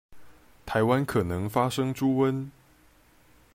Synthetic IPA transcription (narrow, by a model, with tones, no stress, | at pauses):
t̪ʰa˧˥ɪwa˦nkʰɤ˨˩nɤ˧˥ŋfa˥ʂɤ˥ŋʈ͡ʂu˥wə˦˥n